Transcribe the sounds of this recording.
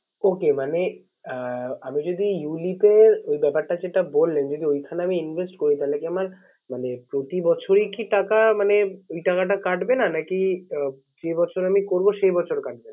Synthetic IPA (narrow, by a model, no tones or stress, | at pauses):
okemane | amid͡ʑod̪ijulipeɾojbɛpaɾʈad͡ʑeʈabolːend͡ʑod̪iojkʰaneamiinbʱesʈkoɾit̪alekiamaɾ | manepɾot̪ibɔt͡ɕʰoɾikiʈakamaneojʈakaʈ̬akaʈbenanaki | d͡ʑebɔt͡ɕʰoɾamikoɾboʃejbɔt͡ɕʰoɾkaʈ̚ben